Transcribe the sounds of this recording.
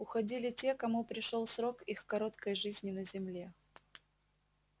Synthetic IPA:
ʊxɐdʲilʲɪtʲe̞kɐmupɾʲɪʂo̞lˠsɾo̞kixkɐɾo̞t̪kəjʐɨzʲnʲɪnəzʲɪmlʲe̞

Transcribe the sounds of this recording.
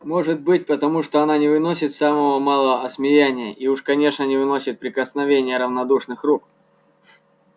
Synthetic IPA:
mo̞ʐɨt̪̚bɨt̚ʲpət̪ɐmuʂt̪o̞ɐnanʲɪvɨno̞sʲɪt̪saməvəmalˠəvəɐsmʲɪjænʲɪjəʔiuʂkɐnʲe̞ʂnənʲɪvɨno̞sʲɪt̪̚pɾʲɪkəsnɐvʲenʲɪjəɾəvnɐd̪uʂnɨxruk̚

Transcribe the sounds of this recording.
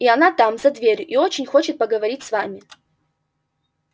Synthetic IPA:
iɐnat̪amzɐd̪vʲeɾʲʔiot͡ɕɪnʲxot͡ɕɪt̪̚pəɡəvɐɾʲitʲsvamʲɪ

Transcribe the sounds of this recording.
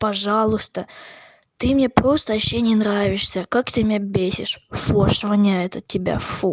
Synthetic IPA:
pɐʐɑlˠʊst̪ət̪ɨmnʲepɾo̞st̪əɐɕːenʲɪnɾavʲɪʂsʲəkakt̪ʲɪmʲebʲesʲɪ̰ʂfoʂvənʲaɛt̪ətʲːɪbʲa̰fu

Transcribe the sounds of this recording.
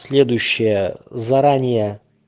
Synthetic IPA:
sʲlʲe̞d̪ʊjʊɕːɪjəzɐɾanʲɪjə

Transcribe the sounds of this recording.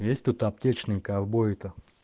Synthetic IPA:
jesʲtʲt̪ut̪ap̚tʲet͡ɕnɨjkavboɪt̪ə

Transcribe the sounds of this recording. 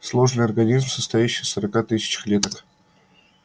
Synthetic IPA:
slˠo̞ʐnɨjɐrɡɐnʲizmsəst̪ɐjæɕːijsəɾɐkat̪ɨsʲɪ̥t͡ɕɪ̥xlʲet̪ək

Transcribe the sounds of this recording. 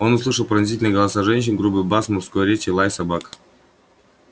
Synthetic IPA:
o̞nʊslˠɨʂəlˠpɾənɐzʲitʲɪlʲnjɡəlˠɐsaʐɛnʲɕ̬ɪnɡɾubɨbasmʊrskojɾʲet͡ɕɪlˠajsɐbak

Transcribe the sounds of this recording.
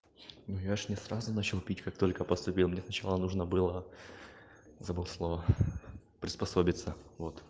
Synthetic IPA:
nujaʂnʲɪsɾazʊnat͡ɕɪlˠpʲitʲkak̚t̪o̞lʲkəpəst̪ʊpʲilˠmnʲesnɐt͡ɕalˠənuʐnəbɨlˠə | zɐbɨlˠslˠo̞və | pɾʲɪspɐso̞bʲɪt̪səvo̞t̪

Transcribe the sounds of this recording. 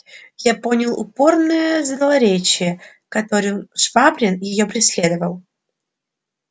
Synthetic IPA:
japonʲɪlˠʊ̰po̞rnəjəzd̪əlˠɐɾʲet͡ɕɪjə | kɐt̪o̞ɾɨmʂvabɾʲɪnjɪjopɾʲɪsʲlʲed̪əvəlˠ

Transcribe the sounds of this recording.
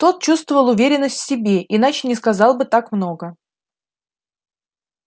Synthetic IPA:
t̪o̞t̪̚t͡ɕust̪vəvəlˠʊvʲeɾʲɪnːəsʲtʲfʲsʲɪbʲeʔin̪at͡ɕɪnʲɪskɐzɑlˠbɨt̪akmno̞ɡə

